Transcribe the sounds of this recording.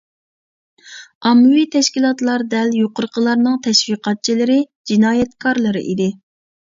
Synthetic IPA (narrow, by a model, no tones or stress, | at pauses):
ɑmːɨwit̪ʰɛʃkʲilˠɑt̪lˠɑɾd̪ɛljoqʊɾqʰəlˠɑɾnɨŋt̪ʰɛʃwiqʰɑt̪̚t͡ʃʰilɪɾɪ | d͡ʒinɑːjɛt̪kʰɑɾlˠɨɾɨ̰ʔḭd̪ɪ